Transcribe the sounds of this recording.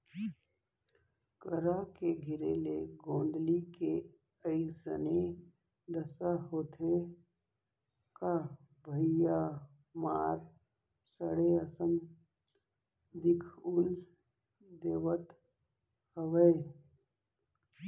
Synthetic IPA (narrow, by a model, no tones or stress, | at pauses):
kəɾakeɡʱɪɾḛleɡõːnd̪like | əɪisə̰ne | d̪əsaɦoːt̪ʰe | ka | bʱəɪja | maːɾ | səɽeəsəm | d̪ɪkʰʊl | d̪eːʋət̪ | həʋəe